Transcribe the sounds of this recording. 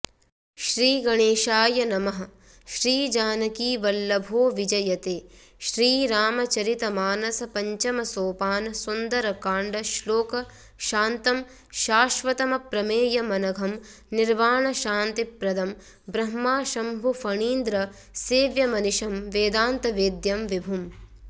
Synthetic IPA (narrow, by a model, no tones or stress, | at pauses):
ʃɾiːɡɐɳeːʃaːjɐnɐmɐɦɐ | ʃɾiːd͡ʒaːnɐkiːʋɐlːɐbʱoːʋid͡ʒɐjɐt̪eː | ʃɾiːɾaːmɐt͡ʃɐɾit̪ɐmaːnɐsɐpɐɲt͡ʃɐmɐsoːpaːnɐsund̪ɐɾɐkaːɳɖɐʃloːkɐ | ʃaːnt̪ɐm | ʃaːʃʋɐt̪ɐmɐpɾɐmeːjɐmɐnɐɡʱɐm | niɾʋaːɳɐʃaːnt̪ipɾɐd̪ʱɐm | bɾɐɦmaːʃɐmbʱufɐɳiːnd̪ɾɐ | seːʋjɐmɐniʃɐmʋeːd̪aːnt̪ɐʋeːd̪jɐmʋibʱum